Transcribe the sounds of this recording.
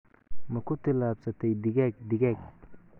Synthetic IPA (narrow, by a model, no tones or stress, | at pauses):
mɐkʰʊt̪ʰɪlaːbsɐt̪ʰɛjd̪ɪɣɛːɡ̚d̪ɪɣɛːɡ